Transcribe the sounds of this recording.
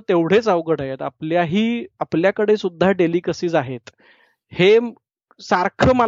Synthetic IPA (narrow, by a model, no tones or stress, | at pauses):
t̪eʋɽ̤et͡saʋɡəʈaɦet̪apljaɦiːapljakəɽesud̪ʱːaɖelikəsiːd͡zaɦet̪ | he | saɾkʰəməl